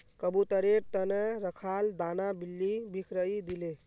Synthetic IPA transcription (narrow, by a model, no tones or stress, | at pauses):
kəbut̪əɾeɾt̪əneɾəkʰald̪anabilːibikʰɾəid̪ile